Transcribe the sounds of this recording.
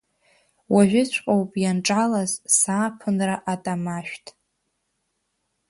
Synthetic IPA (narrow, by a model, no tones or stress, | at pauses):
waʒʷᶣɪt͡ʃʷʰqʼowpʼjanʈ͡ʂʼalazsaːpʰɨnraʔatʼamaʃᶣtʼ